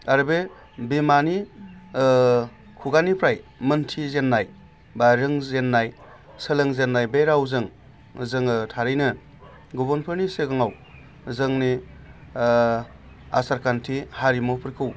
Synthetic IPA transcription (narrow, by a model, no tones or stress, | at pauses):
aɾbe | bimani | kʰuɡanipʰɾajmɯntʰizenːaj | baɾɯŋzenːaj | sɯlɯŋzenːajbeɾawzɯŋ | zɯŋɯtʰaɾɯjnɯ | ɡɔbɔnpʰɯɾniseɡaŋaw | zɯŋni | a̰saɾkʰantʰihaɾimɔpʰɯɾkʰɯw